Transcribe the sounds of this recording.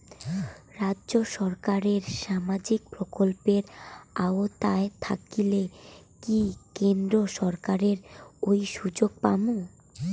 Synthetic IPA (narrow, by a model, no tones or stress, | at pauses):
ɾadʑoʃɔɾkaɾeɾʃamad͡ʑik̚pɾokolpeɾaot̪aet̪ʰa̰kilekikend̪ɾoʃɔɾkaɾeɾojʃud͡ʑoɡ̚pamo